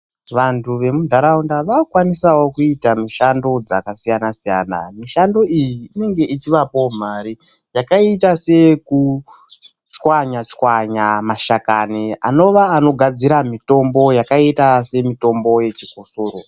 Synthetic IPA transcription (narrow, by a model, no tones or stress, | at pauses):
ʋantuʋe̞mudʱaɾaundaʋakwanisawo̞kuitamiʃando̞d͡zakasijanasija̰na̰miʃando̞ijiːne̞ŋɡe̞it͡ʃiʋapo̞m̤aɾi | jakaitase̞ku | t͡ʃwaɲat͡ʃwaɲamaʃakaniano̞ʋaːno̞ɡʱad͡ziɾamito̞mbo̞jakaitase̞mito̞mbo̞je̞t͡ʃikosoːɾo